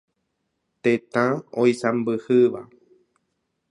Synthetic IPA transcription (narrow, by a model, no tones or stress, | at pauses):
t̪ẽt̪ãojsãmbɨhɨʋa̰